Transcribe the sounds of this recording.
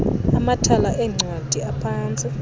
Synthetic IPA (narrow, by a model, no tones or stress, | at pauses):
amatʰalaʔɛŋ͡ǀʱwad̥ʱiapʰaːnt͡sʼi